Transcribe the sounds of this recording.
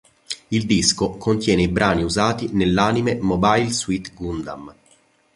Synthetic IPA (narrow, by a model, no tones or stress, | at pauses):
ild̪iskokʰont̪jɛːneibɾʔaːniuzaːt̪inelːaːnimemobajlswit̪ɡund̪am